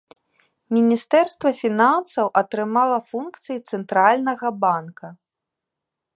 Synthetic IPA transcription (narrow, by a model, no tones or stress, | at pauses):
mʲinʲist̪ɛrst̪vɐfʲinansɐwʔɐt̪ɾɨmalˠɐfunkt̪sɨjit̪sɛnt̪ɾalʲnɐɣɐbankɐ